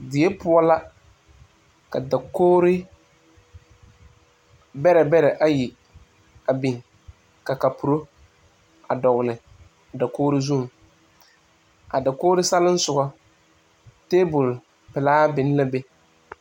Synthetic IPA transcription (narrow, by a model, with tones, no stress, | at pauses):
dɪ˨je˦pʊ˦ɔ˦la˦ | ka̰˨da˨koː˦ɾɪ˦ | bɛ˦ɾɛ˨bɛ˦ɾɛ˨ʔa˦ji˨ | a˨bi˨ŋ | ka˨ka˨pu˨ɾo˦ | a˨dɔ˨ɣʊ˨lɪ˨ | a˨da˨koː˦ɾɪ˦zu˦˨ | a˨da˨koː˦ɾɪ˦sa˦lɪ˦n˦sʊ˨ɡɔ˦ | teː˦bʊ˨l | pɪ˨laː˦bɪ˨n˦la˦be˦